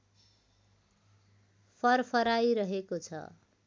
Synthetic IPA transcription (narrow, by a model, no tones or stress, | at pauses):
pʰʌrpʰʌɾajɾʌɦekot͡sʰʌ̰